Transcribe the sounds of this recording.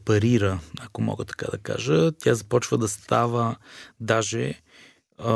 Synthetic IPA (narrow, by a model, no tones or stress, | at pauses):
pɐɾiɾəɐkomɔ̰ɡət̪ɐ̥ka̰d̪ɐka̰ʒət̪ʲjazɐpɔt͡ʃvəd̪ɐst̪avəd̪aʒɛ